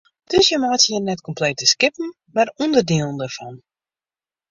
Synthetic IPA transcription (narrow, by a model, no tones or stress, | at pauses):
d̥øsjəmaːtjənɛtkɔmpleːtəskɪpn̩ | marundərdiːəlˠən̩dərfɔn